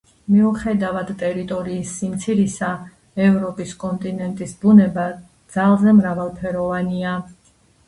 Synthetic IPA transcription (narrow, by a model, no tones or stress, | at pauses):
miuχɛd̪avad̪t̪ʼɛɾit̪ʼɔɾiːsːimt̪sʰiɾisa | ɛvɾɔpʼiskʼɔnt̪ʼinɛnt̪ʼisbunɛba | d̪z̥alˠzɛmɾavalˠpʰɛɾɔvania